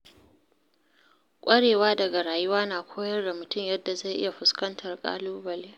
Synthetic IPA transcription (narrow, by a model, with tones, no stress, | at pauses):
kʷʼɐ˦ɽeː˨waː˦dɐ˨ɡa˨ɾaː˨jʊ˦waː˦naː˨kʷʰoː˦jɐ˦rda˨mʊ˨tʊ˦˨mjɐ˦dːa˨za˦˨jʔɪ˦ja˨ɸʊ˦skɐ˦ntʰɐ˨rkʼa̰ː˦luː˦bɐ˨leː˦